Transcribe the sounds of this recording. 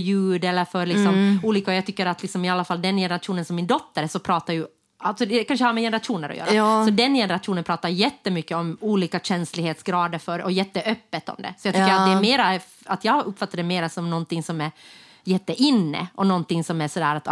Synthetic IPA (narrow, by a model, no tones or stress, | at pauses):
jʉ̟ːd̪ɛlːəɾfœɾlɪksɔmuːliːkaɔjɑːɡt̪ʏkːəɾat̪lɪksɔmɪalːafalːd̪ɛnjɛnəɾaʂuːnənsɔmːɪnd̪ɔt̪ːəɾsɔpʰɾɑːt̪aɾjɵ | alt̪sɔd̪ɛɛkanʂəhaːɾmɛjɛnəɾat̪ʂuːnəɾɔ̰jø̰ɾasɔd̪ɛnjɛnəɾat̪ʂuːnənpʰɾɑːt̪aɾjɛt̪ːəmʏkːəɔmuːliːkaɕɛnslɪɡheːt̪sɡɾɑːd̪əɾfœɾɔjɛt̪ːəʔœpːət̪ɔ̰md̪ɛ̰sɔjɑːɡt̪ʏkːɾat̪d̪ɛmeːɾaɛ | at̪jɑːɡɵpːfat̪ːaɖɛmeːɾasɔmnɔnt̪ɪŋsɔmæɾ | jɛt̪ːəʔɪnːə̰ʔɔnɔnt̪ɪŋsɔmæsɔd̪æ̰ːɾat̪